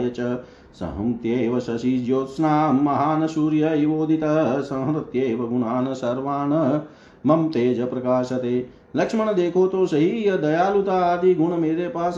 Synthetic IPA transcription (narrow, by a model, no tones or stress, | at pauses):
jɐt͡ʃɐ | sɐ̰ɦɐmt̪jeːʋɐsɐsiːd͡ʒjoːt̪snaːmɐɦaːnɐsuːɾjɐiʋoːd̪ʱit̪ɐɦɐsɐ̃ɦɾɐt̪jeːʋɐɡuɳaːnɐsɐɾʋaːɳɐ | mɐmt̪eːd͡ʒɐpɾɐkaːʃɐt̪eː | lɐkʂmɐɳɐd̪eːkʰoːt̪oːsɐɦiːjɐd̪ɐjaːlut̪aːaːd̪iɡʱuɳɐmeːɾeːpaːs